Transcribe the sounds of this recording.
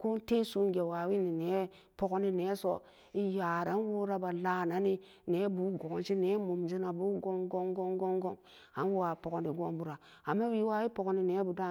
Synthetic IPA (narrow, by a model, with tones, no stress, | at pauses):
ku˦n˦te˦su˦nɡe˨wa˨wi˦ni˨ne˨˦ | po˨ko˦ni˦ne˨˦so̰˨ | i˦ja˨ɾa˨˦n˦wu˦ɾa˦ba˨la˦na˨ni˦ | ne˨˦bu˨˦ɡo˨t͡ʃi˦ne˦mu˨md͡ʒi˦na˨bu˦ɡo˦ŋɡo˦ŋɡo˦ŋɡo˦ŋɡo˦ŋ | a˨n˦wu˦wa˨po˨ko˨ni˨ɡo˦mbu˦ɾa˨ | a˨mːa˦wi˨˦wa˦wi˦po˨ko˦ni˦ne˨˦bu˨da˦